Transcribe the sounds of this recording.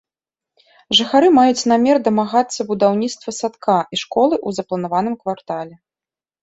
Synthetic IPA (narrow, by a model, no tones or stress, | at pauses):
ʐɨxaɾɨmajut͡sʲnamʲɛrd̪ɐmaɣat̪sːɐbud̪awnʲit̪st̪vɐsat̪kaiʂkɔlˠɨʔuzɐplˠɐnavan̪ɨmkvart̪alʲɛ